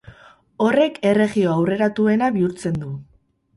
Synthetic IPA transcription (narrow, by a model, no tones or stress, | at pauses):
o̞re̞ke̞re̞ɣio̞awre̞ɾat̪ue̞naβiuɾt͡se̞nd̪u